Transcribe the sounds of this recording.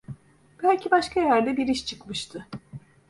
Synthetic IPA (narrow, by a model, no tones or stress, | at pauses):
b̥ælʲcʰibaʃkʰajæɾd̪ɛbiɾiʃt͡ʃʰɯkmɯʃt̪ʰɯ